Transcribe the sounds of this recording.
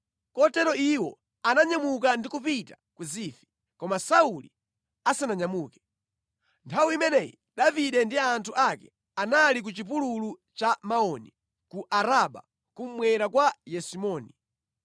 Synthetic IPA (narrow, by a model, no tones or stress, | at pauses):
kɔtɛɾɔiwɔ̰ | anaɲamuk̬andikupita | kuziːfi̥ | kɔmasaulḭ | asanaɲamuːkɛ̥ | ntʰawuimɛnɛji | ɗaviɗɛndiantʰuʔakɛ̥ | analik̬ut͡ʃip̬ululut͡ʃamaɔni | kuʔaɾaɓa̰ | kum̩mwɛɾakwajɛsimɔːni